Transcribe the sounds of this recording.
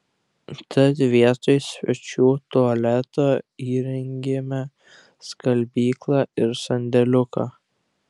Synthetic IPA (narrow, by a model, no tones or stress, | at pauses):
t̪ɐt̪ʋʲiɛt̪oɪsʲʋʲɛt͡ʃʲuːt̪ʊɐlʲɛt̪oːiːɾʲɛŋʲɡʲemʲɛ | skɐlʲbʲiːklˠɑːɪɾsɐnʲd̪ʲɛlʲʊkɑ